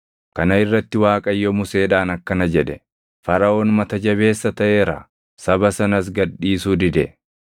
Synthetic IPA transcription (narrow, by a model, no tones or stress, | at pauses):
kɐnɐɪrːɐt̪ːɪwaːkʼɐjːɔmʊseːᶑaːnɐkːɐnɐd͡ʒɛᶑɛ | fɐɾɐo̞ːnmɐt̪ɐd͡ʒɐβe̞ːsːɐt̪ɐʔeːɾa̰ː | sɐbɐsɐnɐs̬ɡɐᶑːiːsuːd̪ɪd̪ɛ